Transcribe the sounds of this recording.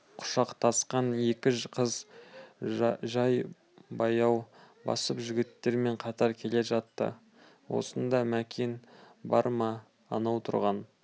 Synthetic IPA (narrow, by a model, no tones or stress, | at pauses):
qʰʊ̥ʃɑqt̪ʰɑsqɑne̞kʲɪʒqʰəz | ʒɑj | bɑjɑwbɑ̰səpʒʏɡʲɪt̪ːe̞ɾme̞ɴqʰɑt̪ɑɾkʲʰe̞le̞ʒɑt̪ːə̰ | wo̞̰sənd̪ɑmækʲʰenbɑ̰ɾmɑː | nɑwt̪ʰʊ̰ɾʁɑn